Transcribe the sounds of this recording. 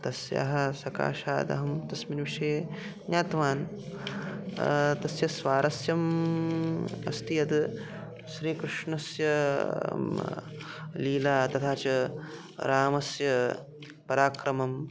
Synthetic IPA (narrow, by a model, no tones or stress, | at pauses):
t̪ɐsjɐ̰ɦɐ̆sɐka̰ːʃa̰ːd̪ɐ̰ɦɐmt̪ɐsminʋiʂɐjenjaːt̪ʋaːn | t̪ɐsjɐsʋaːɾɐsjɐm | ɐ̰st̪ijɐd̪ | ʃɾiːkɾɨʂɳɐsjɐ | liːlaːt̪ɐt̪ʰaːt͡ʃɐ | ɾaːmɐsjɐ | pɐɾaːkɾɐmɐm